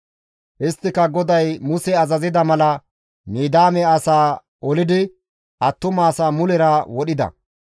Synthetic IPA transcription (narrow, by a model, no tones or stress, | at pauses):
ʔɪst̪ːɪkɐɡɔd̪ɐjmʊsɛɐzɐzɪd̪ɐmɐlɐ | miːd̪aːmɛɐsaː | ɔlɪd̪ɪ | ʔɐt̪ːʊmaːsaːmʊlɛɾɐwɔɗɪd̪ɐ̰